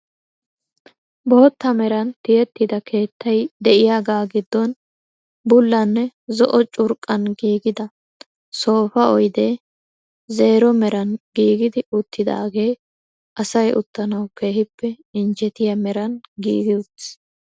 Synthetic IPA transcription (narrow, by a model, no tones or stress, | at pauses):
bo̞ːt̪ːɐmɛɾɐnt̪ɪjɛt̪ːɪd̪ɐkʰe̞ːt̪ːɐjd̪ɛʔɪjaːɡaːɡɪd̪ːɔn | bʊlːɐnːɛzɔʔɔt͡ʃʼʊɾkʼːɐnɡiːɡɪd̪ɐ | so̞ːfɐɔjd̪e̞ː | ze̞ːɾɔmɛɾɐnɡiːɡɪd̪ɪʊt̪ʰːɪd̪a̰ːɡe̞ː | ʔɐsɐjʊ̰t̪ːɐnɐwke̞ːhɪpːɛ | ɪnd͡ʒɛt̪ɪjɐmɛɾɐnɡḭːɡɪʊt̪ː